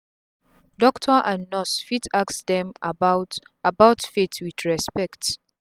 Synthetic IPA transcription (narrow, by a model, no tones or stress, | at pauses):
dɔktʰɔʔãnːɔsfitʰaksdɛ̃mabaʊ | abaʊtfetʰwidɹɛspɛkt